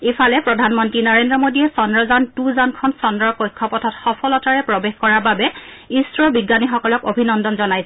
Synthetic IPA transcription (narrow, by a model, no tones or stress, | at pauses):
epʰalɛpɹɔdʱanmɔntɹinɔɹendɹɔmodiɛsɔndɹɔzantuzankʰɔnsɔndɹɔɹkojkʰːɔpɔtʰɔtxɔpʰɔlɔtaɹɛpɹɔbexkɔɹaɹbabɛ | isɹɔbiɡanixɔkɔlɔkobʱinɔndɔnzɔnajsɛ